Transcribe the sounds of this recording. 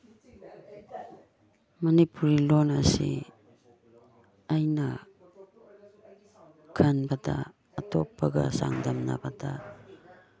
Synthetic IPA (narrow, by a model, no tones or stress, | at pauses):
manipuɾilonasḭ | ajna | kʰanbada̰ː | topːaɡasa̰ŋdamnabada